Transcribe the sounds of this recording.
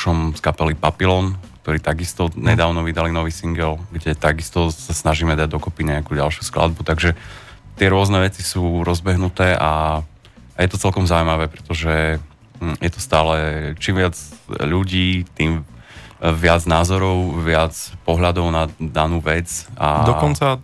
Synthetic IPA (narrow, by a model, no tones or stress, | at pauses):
ʃɔmskapɛlipapilɔnkt̪ɔɾiːt̪aɡist̪ɔɲɛd̪aːʊnɔʋid̪alinɔʋiːsiŋɡɛlɡɟɛt̪aɡist̪ɔsasnaʒiːmɛd̪aɟ̚d̪ɔkɔpiɲɛakuːɟalʃuskla̰d̪̚but̪aɡʒɛ | t̪ɪɛɾʊɔznɛʋɛt͡sisuːɾɔzbɛɦnut̪ɛːʔa | ajɛt̪ɔt͡sɛlkɔmzauimaʋɛːpɾɛt̪ɔʒɛ | jɛt̪ɔ̥st̪aːlɛt͡ʃiːmʋɪad͡zʎuɟiːt̪iːm | ʋɪad͡znaːzɔɾɔʊʋɪat͡spɔɦʎad̪ɔʊnad̪anuːʋɛd͡za̰d̪ɔkɔnt͡sa